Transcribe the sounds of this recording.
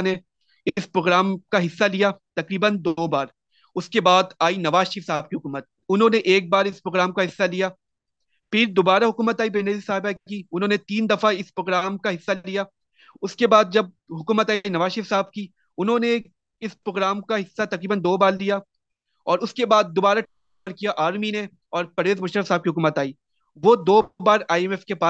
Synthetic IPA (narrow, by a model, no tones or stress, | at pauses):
ne | spɾoːɡɾaːmkaɦɪsːalijat̪ɐkɾiːbənd̪oːbaːɾ | ʊskebaːd̪aːinɐʋaːʃɪɾfsaːb̚kiɦʊkuːmət̪̚ | ʊnɦõːneʔeːk̚baːɾɪspɾoːɡɾaːmkaɦɪsːalija | pʰɪɾd̪oːbaːɾaɦʊkuːmət̪aːibeːneːd̪isaːɦɪbakkiʊnɦõːnet̪iːnd̪ɐfaɪspɾoːɡɾaːmkaɦɪsːallija | ʊskebaːd̪̚d͡ʒɐb̚ | ɦʊkuːmət̪aːinɐʋaːʃɪɾfsaːb̚ki | ʊnɦõne | ɪspɾoːɡɾaːmkaɦɪsːat̪ɐqɾiːbənd̪oːbaːllija | ɔːɾʊskebaːd̪̚ːobaːɾa | ɾkijaʔaːɾmine | ɔːɾpɐɾʋeːzmʊʃɾəfsaːb̚kiɦʊkuːmət̪aːiː | ʋoːd̪oːbaːɾaːjɛmɛfkepaː